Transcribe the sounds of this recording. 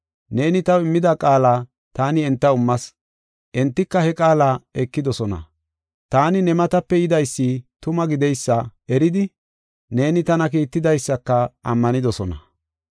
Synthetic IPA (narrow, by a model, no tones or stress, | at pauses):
ne̞ːnɪt̪ɐwɪmːɪd̪ɐkʼaːlaː | t̪aːnɪɛnt̪ːɐʊmːɐs | ʔɛnt̪ːɪkːɐhɛkʼaːlaːɛkːɪd̪ɔsɔnɐ̰ | t̪aːnɪnɛmɐt̪ɐpːɛɪd̪ɐjsːɪt̪ʊmɐɡɪd̪ɛjsːɐɛɾɪd̪ɪ | ne̞ːnɪt̪ɐnɐk̬iːt̪ːɪd̪ɐjsːɐkːɐɐmːɐnɪd̪ɔsɔnɐ̰